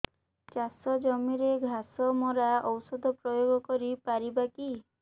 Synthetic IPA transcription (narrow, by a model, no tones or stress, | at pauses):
t͡ʃasɔd͡ʒɔmiɾeɡʱasɔmɔɾaɔwsɔd̪ʱɔpɾɔjoɡɔkɔɾipaɾibaki